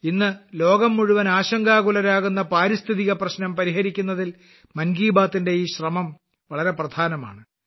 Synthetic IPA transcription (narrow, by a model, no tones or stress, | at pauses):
inːɨlo̞ːɡɐmːuɻuʋɐnaːɕɐŋɡaːɣulɐɾaːɣunːɐpaːɾist̪ʰiðiɣɐprɐɕnɐmpɐɾiɦɐɾikʲːunːɐðil | mɐnɡiːbaːt̪ːinde̞iːɕrɐmɐm | ʋɐɭɐɾe̞prɐd̪ʱaːnɐma̰ːɳɨ